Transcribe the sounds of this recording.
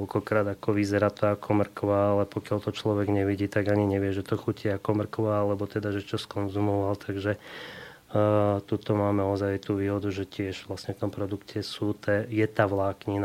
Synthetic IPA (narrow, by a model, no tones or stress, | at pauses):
lkɔkɾaːd̪akɔʋizɛɾaːt̪akʰɔmr̩kʋaalɛpɔkɪalt̪ɔt͡ʃlɔʋɛɡɲɛʋiɟiːt̪aɡaɲiɲɛʋɪɛʒɛt̪ɔxuciakɔmr̩kʋaalɛbɔt̪ɛd̪aʒɛt͡ʃɔskɔnzumɔʋalt̪ʰaɡʒɛ | t̪ut̪ɔmaːmɛɔzajt̪uːʋiːɦɔd̪uʒɛcɪɛʒʋlasɲɛft̪ɔmpɾɔd̪ukcʰɛsut̪ɛjɛt̪aːʋlaːkɲin